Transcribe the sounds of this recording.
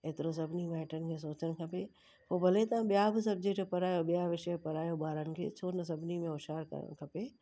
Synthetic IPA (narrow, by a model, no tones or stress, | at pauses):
eːt̪ɪɾos̬ɐbʱnimaːʈənɪ̆kʰẽs̬oːt͡ɕənkʰɐpeː | poːbʱɐlet̪ɐãɓjabɪs̬ɐb̚d͡ʑek̚ʈpɐɾaːjobɪjaʋɪʃpɐɾaːjobaːɾənɪ̆kʰḛːt͡ʃʰoːnəs̬ɐbʱnimẽoʃaːɾkkʰɐpeː